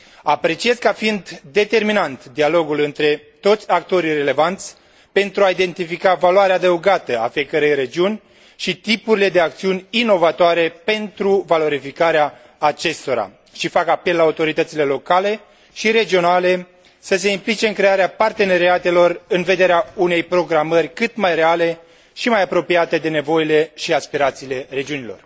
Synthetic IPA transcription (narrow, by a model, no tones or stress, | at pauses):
apɾe̞t͡ʃie̞zkafind̪ːe̞t̪e̞rminant̪d̪ialo̞ɡulɨnt̪ɾe̞ | t̪o̞t̪sʲak̚t̪o̞ɾire̞le̞vant̪sʲ | pe̞nt̪ɾuaid̪e̞nt̪ifikavaluaɾeaːd̪əuɡat̪əa̰fie̞kəɾe̞jɾe̞d͡ʒiunʲ | ʃit̪ipuɾile̞d̪e̞ak̚t̪siunʲino̞vat̪oaɾe̞pe̞nt̪ɾuvalo̞ɾifikaɾeaː | t͡ʃe̞st̪o̞ɾa̰ | ʃifakapelːaut̪o̞ɾit̪ət̪sile̞lo̞kale̞ | ʃiɾe̞d͡ʒio̞nale̞ | səs̬e̞implit͡ʃe̞ɨŋkɾeaɾeapart̪e̞ne̞ɾiat̪e̞lo̞rɨnve̞d̪eɾeaune̞jpɾo̞ɡɾamərʲkɨt̪majre̞ale̞ | ʃimajapɾo̞piat̪e̞d̪e̞ne̞vo̞jile̞ʃiaspiɾat̪siːle̞re̞d͡ʒiunilo̞̰r